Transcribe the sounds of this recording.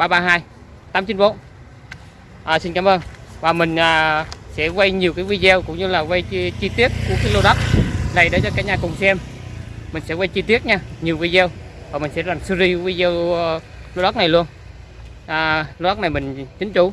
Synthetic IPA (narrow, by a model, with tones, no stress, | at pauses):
ɓaː˧ɓaː˧ɦaː˧j | t̪aː˨˦mt͡ɕi˨˦nvo̰˧˦˥ | ʔaː˨˩si˧nkaː˨˦mʔəː˧nvaː˨˩mï˨˩ŋ̟ʔaː˨˩sɛ̰˧˥vwə˧jɲi˨˩əwkaː˨˦jwi˧zɛ˧wkʊ̰˧˥ŋ͡mɲɨ˧laː˨˩wə˧jt͡ɕi˧t̪i˦˥ət̚ku˧˩əkaː˨˦jlo˧ɗa˦˥wk͡p̚na˨˩jɗo˨˦t͡ɕɔ˧kaː˨˥ɲaː˨˩kʊ˨˩ŋ͡msɛ˧m | mï˨˩ŋ̟sɛ̰˧˥wə˧jt͡ɕi˧t̪i˦˥ət̚ɲaː˧ɲi˨˩əwi˧zɛ˧wvaː˨˩mï˨˩ŋ̟sɛ̰˧˥laː˨˩msɨ˧zi˧˦wi˧zɛ˧w | lo˧ɗa˦˥k͡p̚na˨˩jlu˧ən | ʔaː˨˩lo˧ɗa˦˥k͡p̚na˨˩jmï˨˩ŋ̟t͡ɕï˨˦ŋ̟t͡ɕu˧˦